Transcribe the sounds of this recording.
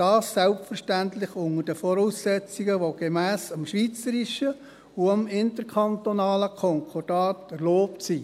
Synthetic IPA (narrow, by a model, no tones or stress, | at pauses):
d̥ɑːsːɛlpfərʃtænt̪lɪχʊŋədəfɔɾuːsːɛt͡siɡəʋoɡ̥emæːsɑmʃʋiːt͡səɾiʃə | uɑmɪntəɾkʰɑnt̪onɑːləkʰɔŋkʰɔrd̥ɑːtɛɾloːptsi